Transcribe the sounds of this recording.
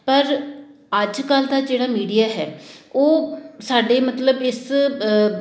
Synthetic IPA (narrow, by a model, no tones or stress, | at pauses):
pəɾ | əd͡ʒkəld̪aːd͡ʒeːɽaːmiːɖijaːɦɛ̰ːoːsaːɖeːmət̪ləbɪs